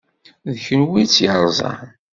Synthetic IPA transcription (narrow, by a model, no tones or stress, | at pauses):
ðçənwit͡sːjəɾˤzˤɑ̰